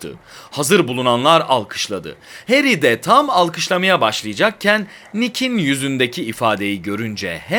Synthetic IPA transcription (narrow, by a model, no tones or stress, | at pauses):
t̪ʰɯ̰hazɯɾbulˠunanlˠaɾa̰lˠkʰɯ̥ʃlˠad̪ɯ̰heɾid̪ɛt̪ʰamalˠkʰɯʃlˠamajabaʃlˠɯjad͡ʒak̚cʰænː | icʰinjyzynd̪ecʰiːfaːd̪e̞jiɟø̞ɾynd͡ʒɛ̰hɛ